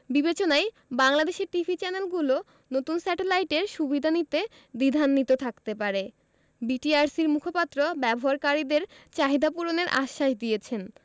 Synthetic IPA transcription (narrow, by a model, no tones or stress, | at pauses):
bibet͡ɕonaj | baŋlad̪eʃeɾʈifit͡ɕɛnelɡulo | not̪unsɛʈelajʈeɾʃubid̪ʱanit̪e | d̪id̪ʱanːit̪ot̪ʰakt̪epaɾe | biʈiaɾsiɾmukʰopat̪ːɾobɛboɦaɾkaɾid̪eɾt͡ɕaɦid̪ʱapuɾoneɾʔa̰ʃːaʃd̪ijet͡ɕʰen